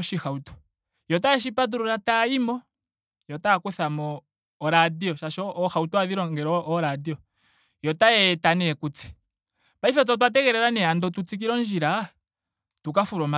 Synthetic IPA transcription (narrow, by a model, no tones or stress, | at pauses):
ʃixautɔ̥ | jɔtaɛʃ̬ipat̬uɾɔɾataimɔ | jɔtakwɛθamɔː | ɾadiɔʃaʃɔːxautɔaðiɾɔŋɡɛɾɔʔɔɾadiɔ | jɔtaɛtanɛkut͡sɛ̥ | paifat͡sɔt̬wat̬ɛkɛɾɛɾanɛandɔtut͡sik̬iɾɔnd͡ʒiɾa | tukafuɾɔma